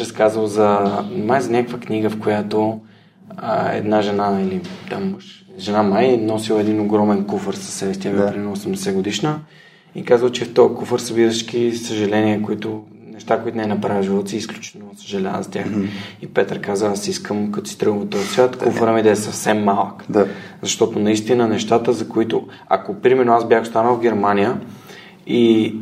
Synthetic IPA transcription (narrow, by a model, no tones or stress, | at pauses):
ɾɐskazvəlˠzɐmajzɐnʲakkvəkniɡəfkojat̪o | ə̰ɛ̰d̪naʒɛnaɛlit̪amːəʃʒɛnamajnɔsilˠəɛd̪inoɡɾɔmɛnkufəɾsɐ̥sːɛbɛst̪iɛvt̪ɾɛnɐosɛmd̪ɛsɛɡod̪iʃnə | ikazvəlˠt͡ʃɛft̪ɔəkufəɾsɐbiɾəʃk̟isəʒɐlɛniɛkoit̪ʊ | nɛʃt̪akoit̪ʊnɛnɐpɾaviʒilˠt̪siːsklʲut͡ʃi̥nosə̥ʒɐlaə̰zɐt̪ʲja̰xipɛt̪əɾkazəasiskəmkɐt̪ɔst̪ɾɤɡvt̪ɔjsvʲat̪kufəɾəmid̪ɐɛsɐfsɛmːalˠək | zɐʃt̪ɔt̪ʊnɐist̪inənɛʃt̪at̪əzɐkoit̪ʊ | ɐ̰kopɾimɛɾnoazbʲjaxst̪anəlˠvɡɛɾmanijə | i